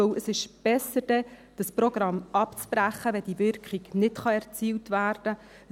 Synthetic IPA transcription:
əwəsɪʃb̥ɛsəɾd̥ɛd̥ɑsprɔɡ̥ɾɑmːʔɑpt͡sb̥ɾæχːəʋɛd̥iʋʏɾkχiɡnɪtχɑɛɾt͡siːltʋæːɾd̥ə

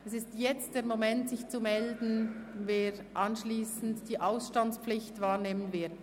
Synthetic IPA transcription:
ɛsɪstjɛt͡std̥eːɾmomɛntsɪçt͡sumɛldn̩veːɾʔɑnʃliːsn̩td̥iːʔaʊsʃtant͡spflɪçtvaːɾneːmənvɪɐd

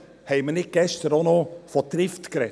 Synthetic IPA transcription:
hɛɪmənɪk̚ɡ̥ɛʃt̪əɾonofɔt̪ɾɪft̪kɾɛ

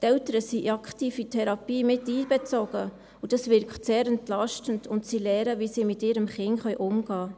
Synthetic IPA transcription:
tɛltəɾəsiʔɑkχtiːfitʰɛɾɑpiːmɪtiːbɛt͡sɔɡ̥ə | ud̥ɑsvɪɾkχtseːɾɛntlɑʃtəndʊntsiːlɛːɾəvisiːmɪtɪːɾəmχɪŋχœɥʔʊmɡ̥ɑː

